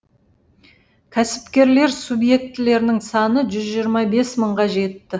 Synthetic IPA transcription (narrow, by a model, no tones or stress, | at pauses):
kʲʰæsɪ̥pkʲe̞ɾle̞ɾsubje̞k̚t̪ɪle̞ɾɪnɪŋsɑnəʒʏzʒijəɾmɑbe̞sməɴʁɑʒe̞t̪ːɪ